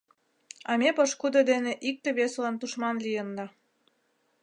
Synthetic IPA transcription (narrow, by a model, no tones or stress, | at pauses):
ɑmepəʃkud̪od̪eneʔik̚t̪eβeslɑnt̪uʃmɑnlijənd̪ɑ